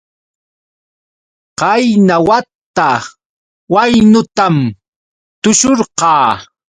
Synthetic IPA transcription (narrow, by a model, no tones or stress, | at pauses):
qɑjnawat̪ːa | wajnʊt̪am | t̪ʊʃoɾqɑː